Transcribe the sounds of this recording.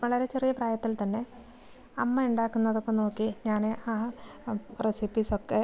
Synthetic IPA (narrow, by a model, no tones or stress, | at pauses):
ʋɐɭɐɾe̞t͡ɕe̞rijɐpraːjɐt̪ːilt̪ɐnːe̞ | ɐmːɐuɳɖaːkːunːɐðo̞kːeno̞ːkːiɲaːneʔaː | resipːiso̞kːe̞